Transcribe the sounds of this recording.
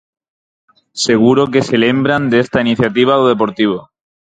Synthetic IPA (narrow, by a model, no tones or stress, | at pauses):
se̞ɣ̞uɾo̞ke̞se̞le̞mbɾand̪eest̪ainiθjat̪iβ̞aðoðe̞p̬o̞ɾt̪iβ̞o